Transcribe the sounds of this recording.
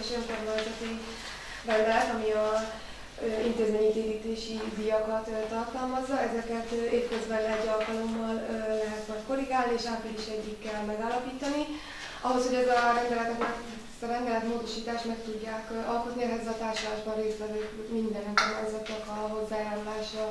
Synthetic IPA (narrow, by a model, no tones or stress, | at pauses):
ʃojŋkormojt̪ɛt̪e | rɛnd̪ɛlɛt̪ɒmiɒ | int̪eːzmeːɲikeːɡiːt̪eːʃid̪ijɒkɒt̪ːt̪ɒrt̪ɒlmɒzːɒɛzɛkɛt̪eːpkøzbɛnːɛɟːɒlkɒlo̞mːɒlːɛɦɛt̪mɒjt̪ko̞ɾiɡaːlnieːʃaːt̪ɛliʃɛɟːikːɛlmɛɡaːlːɒpiːt̪ɒni | ɒɦo̞sho̞ɟɛzɒɾɛnd̪ɛlɛt̪ɛt̪ɛ | zɒɾɛnd̪ɛlɛt̪moːd̪o̞ʃiːt̪aːʃt̪mɛkt̪uɟːaːkɒlko̞t̪niɛɦɛzːɛɒt̪aːrʃolaːʒbɒnreːst̪ʋɛvøːkmind̪ɛrɛŋkornaːjzɒt̪nɒkɒɦo̞zːaːjaːɾulaːʃɒ